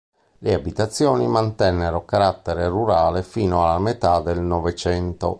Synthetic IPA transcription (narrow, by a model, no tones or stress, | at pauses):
leabit̪at̪sːjɔːnimant̪ɛnːeɾokaɾat̪ːeɾeruɾaːlefiːnoalamet̪ad̪elnɔvet͡ʃɛnt̪o̰